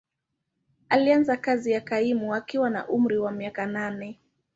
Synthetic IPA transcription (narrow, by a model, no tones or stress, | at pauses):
alianzakazijakaimuakiwana̰ʔum̩ɾiwamiakananɛ